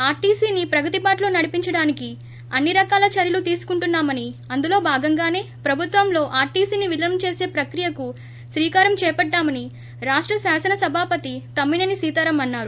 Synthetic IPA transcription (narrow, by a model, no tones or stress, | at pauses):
aːɾʈiːsiːnipɾɐɡɐt̪ipaːʈloːnɐɽipiɲt͡ʃɐɽaːniki | ɐnːiɾɐkaːlɐt͡ʃɐɾjɐlut̪iːsu̥kuɳʈunːaːmɐniɐnd̪ulo̞ːbʱaːɡɐŋɡaːne̞ːpɾɐbʱut̪ʋɐmlo̞ːʔaːɾʈiːsiːniʋilɐɐnmut͡ʃe̞ːse̞ːpɾɐkɾijɐku | sɾiːkaːɾɐmt͡ʃɛːpɐɖːaːmɐni | ɾaːʂʈɾɐsaːsɐnɐsɐbʱaːpɐt̪it̪ɐmːinɐnisiːt̪ɐɾɐmɐnːaːɾu